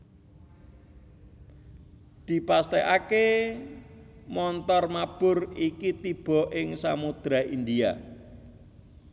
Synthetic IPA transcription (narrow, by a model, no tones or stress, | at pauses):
d̪̥i̤past̪eʔake | mɔnt̪ɔrmab̥ʊ̤rikit̪ib̥ɔ̤ʔɪŋsamud̪̥ɾaind̪ia̰